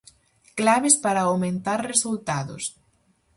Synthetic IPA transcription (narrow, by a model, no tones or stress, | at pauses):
klaβɪspaɾaawmẽnt̪aɾresult̪aðʊ̰s